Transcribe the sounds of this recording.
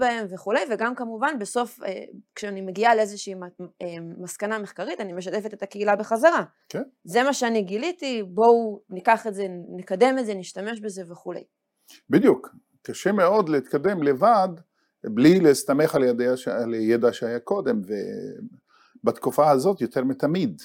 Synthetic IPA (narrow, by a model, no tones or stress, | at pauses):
bae̞mveχule̞jveɡamkamuvanbeso̞fḛkʃeanime̞ɡialeezeʃiːeːaskaname̞χkaʁit̪anime̞ʃat̪e̞fet̪et̪akeilabeχazaʁa | keze̞maʃeaniɡilit̪ibo̞nikaχeze̞nikad̪e̞mezeniʃtame̞ʃbe̞ze̞veχulḛj | bid̪juk | kaʃemeo̞d̪leit̪kad̪e̞mlevad̪ | blilest̪ameχaljad̪eaʃaljed̪aʃeajako̞d̪e̞mve | bat̪kufaazo̞t̪jot̪ʰeʁmet̪amid̪